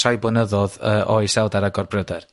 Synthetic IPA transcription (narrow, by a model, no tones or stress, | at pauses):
ajbɔnəðɔðəːʔɔjsɛwˠdaɾaɡɔrbrədɛr